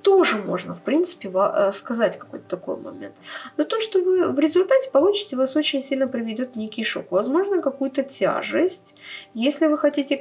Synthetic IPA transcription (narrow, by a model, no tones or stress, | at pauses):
t̪o̞ʐɨmo̞̰ʐnəfpɾʲint̪sɨ̥pʲɪvaskɐzatʲkɐ̥ko̞jt̪ə̥t̪ɐko̞̰jmɐ̰mʲḛnt̪not̪oʂt̪o̞vɨvɾʲɪzʊlʲt̪atʲɪ̥pɐlˠut͡ɕɪ̥tʲɪvaso̞t͡ɕɪnʲsʲilʲnəpɾəvʲɪdʲo̞t̪nʲekʲɪjʂo̰kvɐzmo̞ʐnəkɐkujʊt̪ətʲa̰ʐɨsʲtʲjesʲlʲɪvɨxɐtʲitʲɪ